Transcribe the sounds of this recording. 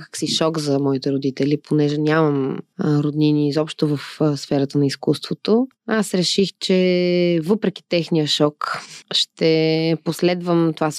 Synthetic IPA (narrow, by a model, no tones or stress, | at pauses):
kə̥ksiʃɔkzɐmɔit̪ɛɾod̪it̪ɛlipʰonɛʒɛnʲaməmɾod̪niniːzɔpʃt̪ovəfsfɛɾət̪ənɐiskust̪vot̪o | asɾɛʃixt͡ʃɛvɤpɾɛk̟i̥t̪ɛxnijəʃɔkʃt̪ɛposlɛd̪vəmt̪ovas